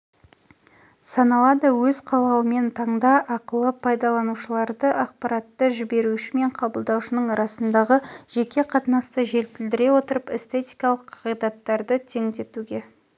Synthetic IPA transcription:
sɑnɑlˠɑd̪əwɵz̥qʰɑlˠɑwəme̞nt̪ʰɑɴd̪ɑʔɑqəlˠəpʰɑjd̪ɑlˠɑnuʃəlˠɑɾd̪əʔɑq̚pɑɾɑt̪ːəʒɪbe̞ɾuʃɪme̞ɴqʰɑbəlˠd̪ɑwʃənəɴɾɑsənd̪ɑʁəʒ̥e̞kʲe̞qʰɑt̪nɑst̪əʒe̞lt̪ɪld̪ɪɾe̞wo̞t̪əɾəpest̪e̞t̪ʲijkɑlˠəqʰːɑʁijd̪ɑt̪ːɑɾd̪ət̪ʰe̞ŋd̪e̞t̪uɡʲe̞

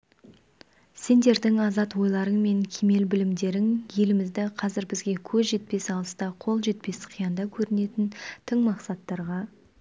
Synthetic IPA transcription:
se̞nd̪e̞ɾd̪ɪŋɑzɑt̪wo̞jlˠɑɾəɴme̞ŋkʲʰeme̞lbɪlɪmd̪e̞ɾɪŋje̞lɪmɪzd̪ɪqʰɑzɪɾbɪzɡʲe̞kʲʰɵzʒe̞t̪̚pe̞sɑlˠəst̪ɑqʰo̞lˠʒe̞t̪̚pe̞sqʰijɑnd̪ɑkʲʰɵɾɪne̞t̪ɪnt̪ʰəɴmɑqsɑt̪ːɑɾʁɑ

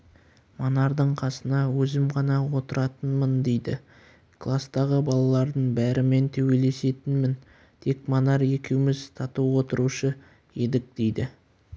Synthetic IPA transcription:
monɑɾd̪əɴqʰɑsənɑwɵzɪmqɑnɑwo̞t̪əɾɑt̪ənmənd̪e̞jd̪ɪ | kʰlˠast̪ɑʁəbɑlˠɑlˠɑɾd̪əɴbæɾɪme̞nt̪ʰɵwe̞le̞se̞t̪ɪnmɪn | t̪ʰe̞kmonɑɾe̞kʲe̞wɪmɪzt̪ʰɑt̪əwo̞t̪əɾuʃə | e̞d̪ɪk̚d̪̥e̞jd̪ɪ

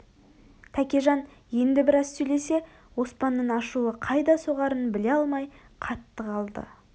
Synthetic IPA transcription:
t̪ʰækʲeʒɑn | je̞nd̪ɪbɪɾɑz̥sɵjle̞se̞ | wo̞spɑnːəɴɑʃuəqʰɑjd̪ɑso̞ʁɑɾənbɪle̞ɑlˠmɑj | qʰɑt̪ːəqɑlˠd̪ə̰

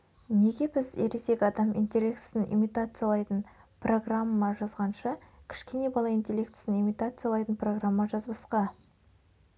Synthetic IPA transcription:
ne̞ɡʲe̞bɪzeɾese̞kʲɑd̪ɑmḭnt̪ʲe̞lʲe̞k̚t̪ɪ̥sɪnʔḭmit̪at̪sɨjalˠɑjt̪ənpro̞ɡramːɑʒɑzʁɑnʃɑkʲʰɪ̥ʃkʲe̞ne̞bɑlˠɑint̪ʲe̞lʲekt̪ɪ̥sɪnimit̪at̪sɨjalˠɑjt̪ənpʰro̞ɡramːɑʒɑzbəsqɑ

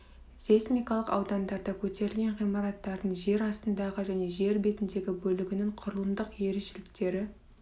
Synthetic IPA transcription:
zesmijkɑlˠəqɑwd̪ɑnd̪ɑɾd̪ɑkʲʰɵt̪e̞ɾɪlɡʲe̞nʁijmɑɾɑt̪ːɑɾd̪əɴʒe̞ɾɑst̪ənd̪ɑʁəʒæne̞ʒe̞ɾbe̞t̪ɪnd̪e̞ɡʲɪbɵlɪɡʲɪnɪŋqʰʊɾəlˠəmd̪əqje̞ɾeʃɪlɪkt̪e̞ɾɪ

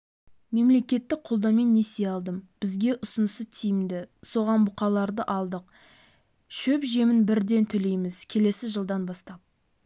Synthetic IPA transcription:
me̞mle̞kʲe̞t̪ːɪk̚qʰolˠd̪ɑme̞nːesejɑlˠd̪əmb̥ɪzɡʲe̞ʔʊsʊnəsət̪ʰijɪmd̪ɪso̞ʁɑnbʊqɑlˠɑɾd̪əʔɑlˠd̪əq̚ | ʃɵpʒe̞mɪnbɪɾd̪e̞nt̪ʰʏle̞jmɪzkʲʰe̞le̞sɪʒəlˠd̪ɑnbɑst̪ɑp̚

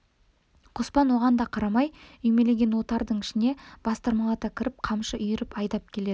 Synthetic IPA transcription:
qʰospɑnwo̞ʁɑnd̪ɑqʰɑɾɑmɑjʏjme̞le̞ɡʲe̞nwo̞t̪ɑɾd̪əɴɪʃɪne̞b̥ɑst̪ɑɾmɑlˠɑt̪ɑkʲʰɪɾɪp̚qʰɑmʃəʔʏjɪɾɪpɑjd̪ɑp̚kʲʰe̞le̞d̪ɪ

